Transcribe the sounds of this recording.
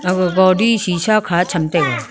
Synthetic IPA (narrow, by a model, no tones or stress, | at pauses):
ɡɔːɖiʃiːʃakʰat͡ʃʰɐmt̪eɡa